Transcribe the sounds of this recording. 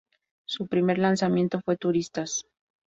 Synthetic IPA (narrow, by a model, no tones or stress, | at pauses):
supɾime̞ɾlansamje̞nt̪o̞fwe̞t̪uɾist̪as